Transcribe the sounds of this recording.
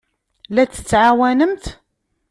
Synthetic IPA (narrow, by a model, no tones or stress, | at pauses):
læt͡s̪ːə̥t͡sːʕawænəmt̪